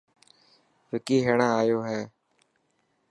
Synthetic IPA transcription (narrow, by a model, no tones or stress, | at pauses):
ʋɪkiːɦeːɳãːaːjoːɦɛː